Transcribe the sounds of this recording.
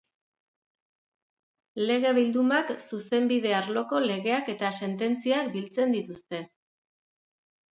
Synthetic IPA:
le̞ɣ̞e̞βild̪umaksuse̞mbið̞e̞aɾlo̞ko̞le̞ɣ̞e̞ake̞t̪ase̞nt̪e̞nt͡siakbilt͡se̞nd̪it̪ust̪e̞

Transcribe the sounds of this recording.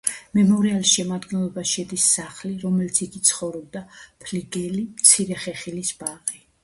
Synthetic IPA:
mɛmɔɾialisʃɛmad̪ɡɛnlˠɔbaʃɛd̪isːaχliɾɔmɛlit̪sʰiɡit̪sʰχɔvɾɔb̚d̪apʰliɡɛlimt̪sʰiɾɛχɛχilisbaʁi

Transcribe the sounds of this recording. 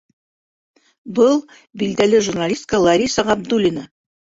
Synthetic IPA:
bɤlˠ | bild̪ælɘʒurnalʲisʲt̪ʲkəlˠɐɾʲisəʁɑbd̪ulʲinə

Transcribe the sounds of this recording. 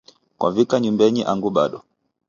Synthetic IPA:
kwʔa̰vikaɲumbɛɲiʔaŋɡuɓaɗɔ

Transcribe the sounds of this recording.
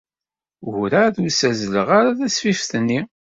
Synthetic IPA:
ʊɾaðusæzləʁaɾaðæsfifθənːi

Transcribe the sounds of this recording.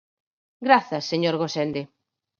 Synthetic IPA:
ɡɾaθɐsːeɲoɾɣosend̪e

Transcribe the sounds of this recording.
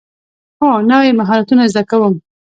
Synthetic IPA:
xonawemaɦɑɾat̪unazd̪akawəm

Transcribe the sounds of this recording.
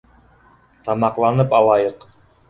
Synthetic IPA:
t̪ɑmɑqlˠɑnɤpɑlˠɑjɤq

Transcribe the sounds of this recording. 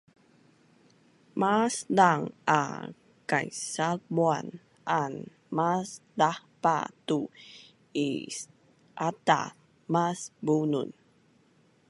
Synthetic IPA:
masdaŋa̰ | kajsalmuan | ʔan | masdahpa̰t̪u | ḭs | ʔat̪a̰ | masbunṵn

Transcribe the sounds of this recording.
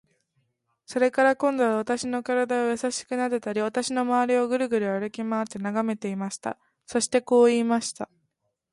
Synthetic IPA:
so̞ɾe̞kaɾakõ̞nd̪o̞βaβ̞at̪aɕino̞kaɾad̪aojasaɕi̥kɯ̟nad̪et̪aɾʲiβat̪aɕino̞maβaɾʲio̞ɡɯ̟ɾɯ̟ɡɯ̟ɾɯ̟aɾɯ̟kʲimaːt̪ːe̞naɡame̞t̪e̞imaɕi̥t̪a̰ | so̞ɕi̥t̪e̞ko̞ːiːmaɕi̥t̪a

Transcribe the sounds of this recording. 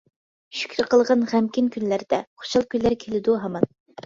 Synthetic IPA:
ʃy̥kʲʰɾɪqəlˠʁɑnʁæmkʲinkʲʰynlæɾd̪ɛχo̥ʃɑlˠkʲylːæɾkʲʰelɪd̪uɦɑmɑn

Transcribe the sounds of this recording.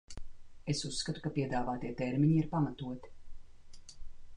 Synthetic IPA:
esusːkat̪u̥kapiɛd̪aːvaːt̪iɛt̪ɛɾmiɲiiɾpamat̪uɔt̪i̥

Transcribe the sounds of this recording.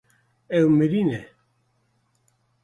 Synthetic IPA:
ewmeɾine

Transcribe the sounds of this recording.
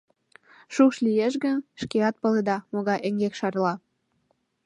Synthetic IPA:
ʃukʃlijeʃɣənʃkeɑt̪̚pə̆led̪ɑmoɣɑjʔeŋɡekʃɑrlɑ

